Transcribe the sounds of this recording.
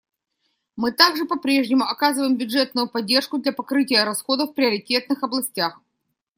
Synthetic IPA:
mɨt̪aɡʐɨpɐpɾʲe̞ʐnʲɪmʊɐkazɨvəjɪmbʲʊdʐɛt̪nʊjʊpɐdʲːe̞rʂkʊd̪lʲɐpɐkɾɨt̬ʲɪjəɾɐsxo̞d̪əfpɾʲɪəɾʲɪtʲe̞t̪̚nɨxɐblˠɐsʲtʲax

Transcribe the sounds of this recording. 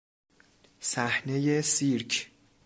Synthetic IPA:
sæhnejesiɾkʰ

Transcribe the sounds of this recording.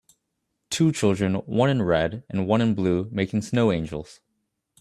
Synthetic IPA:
tʰut͡ʃʰɪlˠdɹɨ̃nwʌ̃nɨ̃nɹɛɾɨ̃nwʌ̃ñɨ̃nblumeɪkɪ̃ŋsnoʊẽɪ̃nd͡ʒl̩ˠz̥

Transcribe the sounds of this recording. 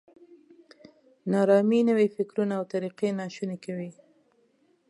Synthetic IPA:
nɑɾɑminəwefɪkɾunaːwt̪aɾiqenɑʃunekawi

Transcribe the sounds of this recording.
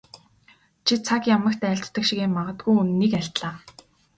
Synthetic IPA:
t͡ɕʰit͡sʰakjamə̆kt̪æːɬt͡sʰt̪ːə̆kʃiɣeːmaʁə̆t̪ɡujɵnniːkæɬt̪ɮaː

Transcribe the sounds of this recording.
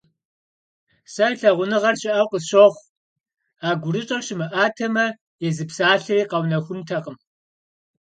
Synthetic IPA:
sɐɬɐʁʷʊnɨʁɐrɕɪʔɐwqəɕoʁʷ | aːɡʷʊrɨt͡ʃʼɐɕɪmɨʔaːtʰɐmɐ | jɛzɨpsaːɬɨriːqɐwnɐxʷʊntʰɐqʼəm

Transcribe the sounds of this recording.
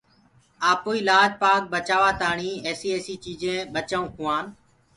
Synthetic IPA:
aːpoːiːlaːd͡ʒpaːk̚bət͡ʃaːʋaːt̪aːɳiːeːsiːeːsiːt͡ʃiːd͡ʒẽːɓət͡ʃaːũːkʰʊ̃ːaːn

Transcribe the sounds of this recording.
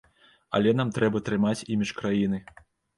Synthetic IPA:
ɐ̰lʲɛn̪amt̪ɾɛbɐt̪ɾɨmat͡sʲimʲit͡ʂkɾajin̪ɨ

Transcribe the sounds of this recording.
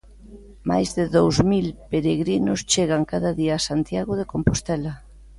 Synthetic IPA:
ma̰jzðeðowzmilpeɾeɣɾinost͡ʃeɣ̞aŋkaðaðiaːsant̪jaɣoðekompost̪ɛlɐ

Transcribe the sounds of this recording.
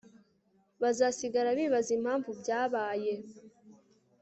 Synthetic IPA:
βazasiɡaɾaβiːβazim̥haːɱvubjaːβaːje̞

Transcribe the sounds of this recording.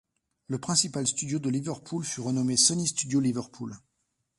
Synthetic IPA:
ləpχɛ̃sipalst̪yd̪jod̪əlivœʁpʰulfyʁənɔmesɔnist̪yd̪jolivəʁpʰul

